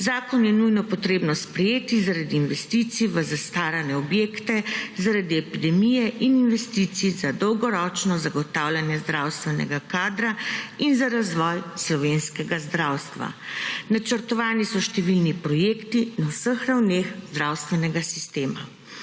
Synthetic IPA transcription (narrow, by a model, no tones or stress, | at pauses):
zaːkɔnjɛnujnɔpɔt̪ɾeːbnɔspɾɛjeːt̪izaɾad̪iːnʋɛst̪it̪siʋəzast̪aːɾanɛɔbjeːkt̪ɛzaɾad̪iɛpid̪ɛmijɛʔininʋɛst̪it̪sizad̪ɔwɡɔɾɔːt͡ʃnɔzaɡɔt̪awlʲjanjɛzd̪ɾawst̪ʋɛnɛ̰ɡakaːd̪ɾainzaɾazʋɔjslɔʋeːnskɛɡazd̪ɾawst̪ʋa̰nat͡ʃəɾt̪ɔʋaːnisɔʃt̪ɛʋilnipɾɔjekt̪inawsəxɾawnexzd̪ɾawst̪ʋɛnɛɡasi̥st̪eːma